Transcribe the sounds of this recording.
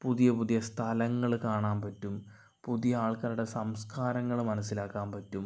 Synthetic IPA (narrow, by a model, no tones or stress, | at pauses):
puðijɐpuðijɐst̪ʰɐlɐŋːɐɭkaːɳaːnpɐtːum | puðijɐaːɭkɐluɽe̞sɐmskaːɾɐŋːɐɭmɐnɐsːilaːkːaːnpɐtːum